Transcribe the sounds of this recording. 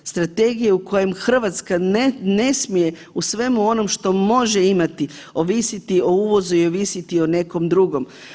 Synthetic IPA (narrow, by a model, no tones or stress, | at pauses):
st̪ɾat̪e̞ɡijeuko̞je̞mxr̩ʋat̪skane̞smije̞ | usʋe̞muo̞no̞mʃt̪o̞mo̞ʒeimat̪i | o̞ʋisit̪io̞uːʋo̞zuio̞ʋisit̪io̞ne̞ko̞md̪ɾuɡo̞m